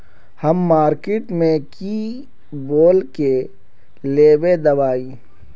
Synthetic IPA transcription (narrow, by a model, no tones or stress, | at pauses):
hɐmːaːɾkɪʈmẽki | boːlke | leːbed̪ɐʋaːiː